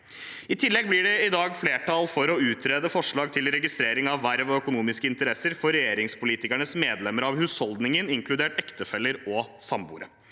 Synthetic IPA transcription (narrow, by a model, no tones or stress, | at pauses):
ɪt̪ʰɪlːɛɡ̚blɪɖɛɪd̪ɑːɡfleːʈʰɑːlfɔɾɔʉːt̪ʰɾeːd̪əfɔʂɭɑːɡ̚t̪ʰɪlɾɛɡɪst̪ɾeːɾɪŋɑʋːæɾʋɔœkʊnuːmɪskəɪnt̪əɾɛsəɾfɔɾɛjeːɾɪŋspʊliːt̪ɪkæɳəsmeːd̪lɛməɾɑʋhʉːshɔld̪nɪŋənɪŋklʉd̪eːʈɛkt̪əfɛlːəɾɔsɑmbṵːɾə